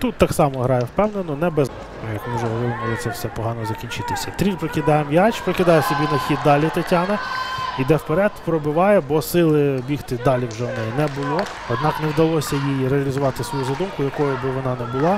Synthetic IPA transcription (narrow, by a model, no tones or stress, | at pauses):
t̪ut̪ːɑksɑmɔɦɾɑjɛwpɛwnenɔnɛbɛz | jɐkmɪwʒɛɦɔʋɔɾɪɪmʊlˠɪt̪ɛwsɛpɔɦɑnɔzɐkʲinʲt͡ʃɪt̪ɪsʲɐt̪ɾʲipɾɔkɪd̪ɑjɛmjɑt͡ʃpɾɔkɪd̪ɑjɛsɔbʲinɐxʲid̪̚ːɑlʲit̪ɐtʲɑnɐid̪ɛwpeɾɛd̪pɾɔbɪʋɑjɛbɔsɪlˠɪbʲiht̪ɪd̪ɑlʲiwʒɛnɛnɛbʊlˠɔ | ɔd̪nɑknɛwd̪ɐlˠɔsʲɐjijɾeɐlʲizʊʋɑt̪ɪsʋɔjuzɐd̪umkʊjɐkɔjʊbɪʋɔnɑnɛbʊlˠɑ